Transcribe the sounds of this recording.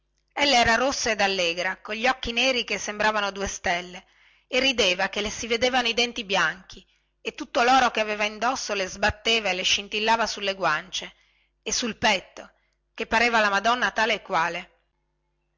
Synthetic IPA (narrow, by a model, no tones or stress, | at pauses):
elːaɛːɾaɾosːaed̪alːeːɡɾakoʎiɔkːineːɾikesːembɾaːvanod̪uest̪ɛlːe | erːid̪eːvakelesived̪eːvanoid̪ɛnt̪ibjaŋk̟ʰi | et̪ːut̪ːolɔːɾokeaveːvaind̪osːolezbat̪ːeːvaeleʃint̪ilːaːvasulːeɡwant͡ʃeː | sulpɛt̪ːo | k̟epːaɾeːvalamad̪ɔnːat̪aːleːkːwaːle